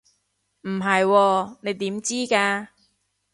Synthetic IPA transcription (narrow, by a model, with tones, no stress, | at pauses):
m̩˨˩ɦɐ˨jwɔː˧ne˨˧jt̪iː˨˥mt͡siː˥kaː˧